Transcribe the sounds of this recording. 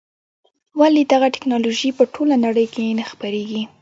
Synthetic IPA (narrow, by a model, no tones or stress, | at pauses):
walid̪aɣaʈɪ̥knɑloʒipəʈʰolanaɽəjkenaxpəɾeɡi